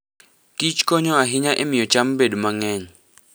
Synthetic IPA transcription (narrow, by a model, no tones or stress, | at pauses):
kit͡ʃkɔɲɔaɦiɲaʔɛmijɔt͡ʃʼam̩bedumaŋɛːɲɔ